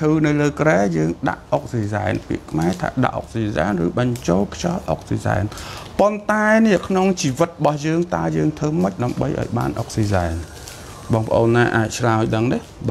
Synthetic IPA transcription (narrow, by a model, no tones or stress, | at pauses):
t̪ʰɨːnɨwləːkrɛːjəːŋɗa̰ʔok̚siːzaɛnpḭəʔkʰmaɛt̪ʰa̰ːɗa̰ʔo̰k̚siːza̰ɛnrɨːɓəɲt͡ɕoːlkʰt͡ɕɑlʔo̰k̚siːza̰ɛnpont̪aɛnɛəkʰnoŋt͡ɕiːʋɨt̪̚ɓɑhjəːŋt̪aəjəːŋt̪ʰɨːməc̚ɗaəmɓəjʔa̰ɔjɓa̰ːnʔo̰k̚siːzaɛn | ɓɑːŋpʰə̆ʔoːnːaːʔaːc̚t͡ɕʰraəjɗəŋni | ɓaː